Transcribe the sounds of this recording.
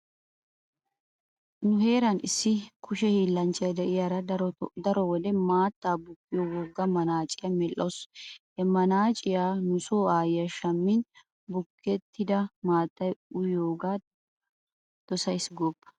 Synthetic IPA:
nʊɦe̞ːɾɐnɪsːɪkʰʊʃɛhiːlːɐnt͡ʃʼɐjd̪ɛʔɪjaːɾɐd̪ɐɾɔwɔd̪ɛmaːt̪ːaːbʊkːɪjɔwɔɡːɐmɐnaːt͡ʃʼɪjɐmɛlːoshɛmɐnaːt͡ʃʼɪjaːnʊsoːaːjɐʃɐmːɪn | bʊkːɛt̪ʰːɪd̪ɐmaːt̪ːɐjʊjoːɡaː | d̪̥ɔsɐjsɡoːpːɐ̥

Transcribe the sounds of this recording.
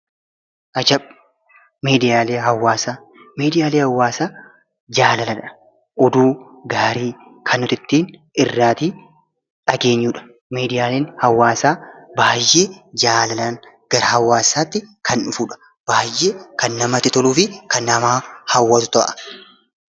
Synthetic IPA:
ʔɐd͡ʒɐb | miːd̪ɪjaːleːɦɐwːaːsaː | meːd̪ɪjaːleːhɐwːaːsaː | d͡ʒaːlɐlɐnɐ̥ | ʔɔd̪uː | ɡaːɾiː | kʰɐnʊt̪ɪt̪ːiːn | ɪrːaːt̪iː | ᶑɐɡe̞ːɲːuːᶑɐ̥ | meːd̪ɪjaːleːnhɐwːaːsaːbaːjːeːd͡ʒaːlɐlɐn | ɡ̥ɐɾɐhɐwːaːsːaːt̪ːɪkʰɐnʊfuːᶑɐ̥ | b̥aːjːeːkɐnːɐmɐt̪ɪt̪ɔluːfɪkɐnːɐmaːhɐwːɐt̪ʊt̪ɔʔɐ̰̥

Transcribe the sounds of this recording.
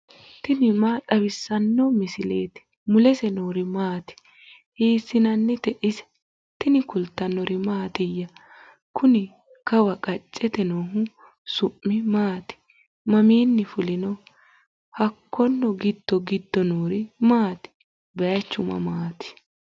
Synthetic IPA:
t̪ɪnɪmaːt̪ʼɐbɪsːɐnːɔmɪsɪleːt̪ɪ̥ | mʊlɛsɛnoːɾɪmaːt̪ɪ̥ | hiːsːɪnɐnːɪt̪ɛʔɪsɛ̥ | t̪ɪnɪkʊlt̪ːɐnːɔɾɪmaːt̪ɪjːɐ | kʰʊnɪ | kɐwɐkʼɐt͡ʃʼːɛt̪ɛnoːɦʊ | sʊʔːɪmaːt̪ɪ̥ | mɐmiːnːɪfʊlɪnɔ | hɐkːɔnːɔɡɪd̪̥ːɔɡɪd̪ːɔnoːɾɪmaːt̪ɪ̥ | bɛjɐt͡ʃːʊmɐ̰maːt̪ɪ̥

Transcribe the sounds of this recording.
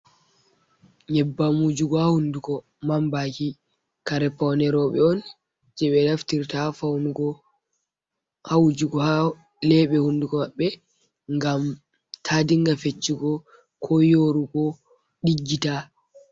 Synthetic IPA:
ɲɛbːamud͡ʒuɡɔhahundukɔ | mambaki | kaɾɛpːawnɛɾɔɓɛɔn | d͡ʒɛɓɛlaftiɾtafawnuɡɔ | hawud͡ʒuɡɔha | lɛɓɛhundukɔmaɓːɛ | ŋɡam | tʰadiŋɡafet͡ʃːiɡɔ | kʰɔjoɾukɔ | ɗiɡːita

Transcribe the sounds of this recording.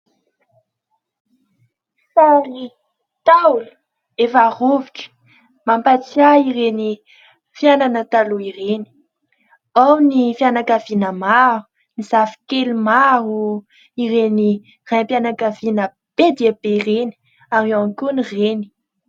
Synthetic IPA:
sari | t̪awlə̥ | efaroviʈ͡ʂə̥ | mampat͡siaiɾeni | fjananət̪aluireni̥ | awnifianakavinəmaru | nizafi̥kelumaru | iɾeni | rampianakavinə | b̥ed̪eabereni̥ | aɾeankunireni̥

